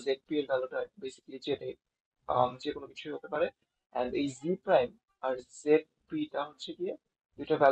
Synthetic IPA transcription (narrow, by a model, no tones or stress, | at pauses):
zeʈ̚pieɾbɛloʈabejsi̥klid͡ʑeʈe | md͡ʑekonokit͡ɕʰuiɦot̪epaɾe | ɛ̰̃ɳɖejzipɾajm | aɾzeʈ̚piʈaɦotːɕʰeɡie | d̪uʈabɛ